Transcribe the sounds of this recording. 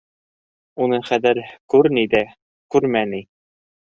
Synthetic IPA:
unɤχæðɘɾkʉɾnid̪æ | kʉɾmæni

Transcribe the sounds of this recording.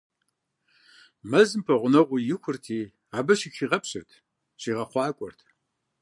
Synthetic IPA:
mɐzɨmpʰɐʁʷʊnɐʁʷʊjɪxʷʊrtʰiː | aːbɐʃixiːʁɐpɕɪ̰rtʰ | ɕiːʁɐχʷɑːkʷʼɔ̰rtʰ

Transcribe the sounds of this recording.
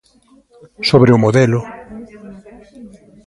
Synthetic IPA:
soβɾeʊmoðɛlʊ

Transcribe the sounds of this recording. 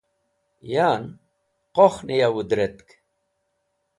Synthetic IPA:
jaːn | qoχnijawud̪ɾet̪k

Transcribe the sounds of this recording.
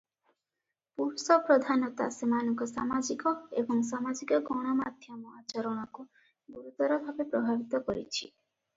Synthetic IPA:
puɾsɔpɾɔd̪ʱanɔt̪a̰semanɔŋkɔsamad͡ʒikɔḛbɔŋs̬amad͡ʒikɔɡɔɽ̃ɔmad̪ʱjɔmɔat͡ʃɔɾɔɽ̃ɔku | buɾut̪ɔɾɔbʱabepɾɔbʱabit̪ɔkɔɾḭt͡ʃʰḭ

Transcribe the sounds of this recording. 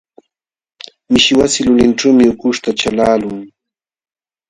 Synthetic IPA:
mɪʃɪwasɪlʊlɪnʈ͡ʂuːmɪʊkʊʃt̪at͡ʃalaːlʊŋ

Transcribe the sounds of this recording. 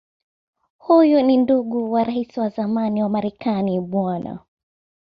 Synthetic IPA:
hujuninduɠuwaɾaisiwazamaniwamaɾɛkaniɓwana̰

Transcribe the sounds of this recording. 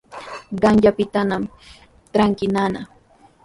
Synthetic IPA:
ɢɑŋʎapɪt̪anam | t̪ɾaŋkɪnana

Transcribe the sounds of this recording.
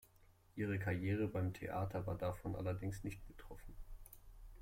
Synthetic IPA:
ʔiːʁ̞əkʰaʁjeːʁ̞əbaɪmtʰḛʔa̰ːtʰɐvaːɐdafɔnʔa̰lɐdɪŋsnɪçtb̥ətʁ̥ɔfn̩

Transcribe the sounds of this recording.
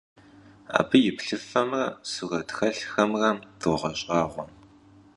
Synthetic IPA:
a̰ːbɨjɪpɬɨfɐmrɐsuɣɐtxɐɬxɐmrɐmdʊʁɐɕʼɑːʁʷɔm

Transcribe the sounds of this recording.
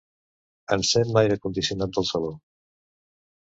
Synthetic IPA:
ənsɛmmajɾəkund̪isiunat̪̚d̪əlˠsəlo

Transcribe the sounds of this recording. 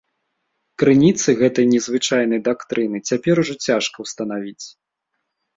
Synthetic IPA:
kɾɨnʲit̪sɨɣɛt̪ɐjnʲɛzvɨt͡ʂajn̪ɐjd̪akt̪ɾʔɨnɨt͡sʲapʲɛɾuʐɐt͡sʲaʂkɐwst̪ɐn̪avʲit͡sʲ

